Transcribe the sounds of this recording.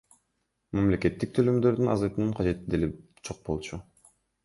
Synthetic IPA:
mamle̞ke̞t̪ːik̚t̪ʰølymd̪ø̞ɾd̪ynɑ̰zɑjt̪ɯnɯɴqʰɑd͡ʒe̞t̪id̪elip | d͡ʒʰo̞q̚bo̞lˠt͡ʃʰu

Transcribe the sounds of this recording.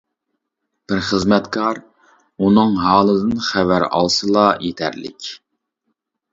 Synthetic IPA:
b̥ɪɾχəzmɛt̪kʰɑɾ | unɨŋɦɑːlˠɨd̪ɨnχɛvæɾɑ̰lˠsɨlˠɑjet̪ʰæ̰ɾlɪ̰kʲ

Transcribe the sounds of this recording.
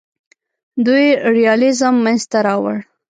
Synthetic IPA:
d̪ujeɾijɑlɪzəmːanzt̪aɾɑwə̰ɽ

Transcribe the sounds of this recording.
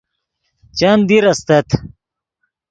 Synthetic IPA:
t͡ɕand̪iɾɐst̪et̪

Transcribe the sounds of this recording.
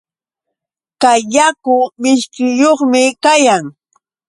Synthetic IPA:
kajːakʊmɪʃkɪjoχmɪkajaŋ

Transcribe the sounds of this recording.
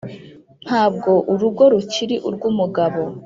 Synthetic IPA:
n̥haːb̚ɡo̞ʔuɾuɡo̞ɾuciɾiʔuɾɡumuɡaβo̞

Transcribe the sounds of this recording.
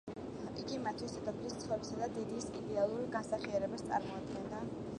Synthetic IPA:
iɡimat̪ʰwisɛt̪apʰlist̪sʰχɔvɾɛbsad̪ad̪ɛd̪isid̪ɛalˠuɾɡansaχiaɾɛbast̪sʼa̰ɾmɔad̪ɡɛnd̪a

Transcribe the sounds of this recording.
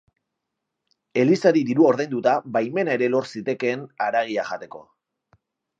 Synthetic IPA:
e̞lisaɾid̪iɾuaoɾðajnd̪ut̪abajme̞naeɾe̞lo̞ɾsit̪e̞ke̞ːnaɾaɣ̞iaʝat̪e̞ko̞

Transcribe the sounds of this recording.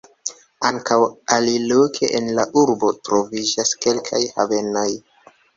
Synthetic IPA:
aŋkawalilokʰḛʔenlaʔuɾbo̞tɾo̞vid͡ʒaske̞lkʰajhave̞no̞j

